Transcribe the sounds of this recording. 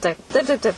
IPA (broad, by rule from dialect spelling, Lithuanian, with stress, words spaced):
ˈtɐɪp tɐɪp tɐɪp ˈtɐɪp